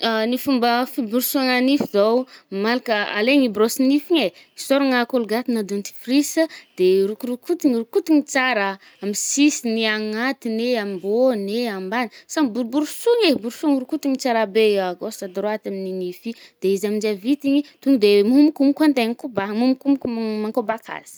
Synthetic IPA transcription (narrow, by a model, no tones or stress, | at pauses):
anifumbəfibuɾusuaŋanifizowmalakəa̰leŋibɾosinifiɲe | isoɾaŋakoluɡat̪inad̪unt̪i̥frisəd̪̥eɾukuɾukut̪iŋirukut̪iŋit͡saɾə | amisisiniaŋat̪ineamiboneambanisambuɾubuɾusuŋebuɾsuŋɾukut̪iŋit͡saɾabeaɡosad̪ɾoat̪amininifid̪̥eizamind͡ʒavit̪iɲit̪uŋid̪emumukumikant̪eŋkubamumukumukumaŋkobakʰa̰z̥i̥